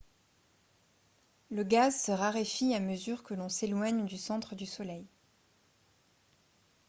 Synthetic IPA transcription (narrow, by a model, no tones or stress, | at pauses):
ləɡazsəʁaʁefiaməzyʁkəlɔ̃selwaɲd̪ysɑ̃t̪χəd̪ysɔlɛj